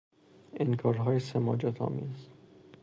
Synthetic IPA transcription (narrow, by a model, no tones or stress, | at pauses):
enkʰɒːɾɦɒːjesemɒ̰ːd͡ʒɒt̪ʰɒ̰ːmiːz